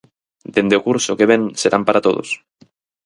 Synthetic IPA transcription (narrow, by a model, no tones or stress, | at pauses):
d̪end̪eokuɾsokeβ̞enseɾampaɾat̪oðo̰s